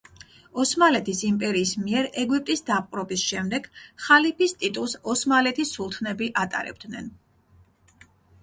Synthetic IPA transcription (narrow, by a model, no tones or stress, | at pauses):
ɔsmalɛt̪ʰisimpʼɛɾiːsmiɛɾɛɡwip̚ʼt̪ʼisd̪ap̚ʼqʼɾɔbisʃɛmd̪ɛɡ̥χalipʰist̪ʼit̪ʼulˠsɔsmalɛt̪ʰisulˠt̪ʰnɛbiʔat̪ʼa̰ɾɛ̰b̚d̪nɛn